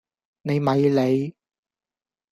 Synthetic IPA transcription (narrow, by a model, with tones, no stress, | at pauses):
ne˨˧jmɐ˨˧jle˨˧j